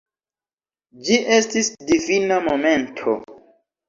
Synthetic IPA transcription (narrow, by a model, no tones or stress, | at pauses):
d͡ʒiʔe̞stisdivinamome̞ntʰo̰